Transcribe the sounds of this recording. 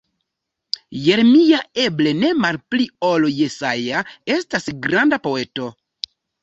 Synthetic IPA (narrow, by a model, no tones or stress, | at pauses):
je̞ɾmijae̞ble̞ne̞malplioloje̞sajae̞stasɡɾandapo̞e̞to̞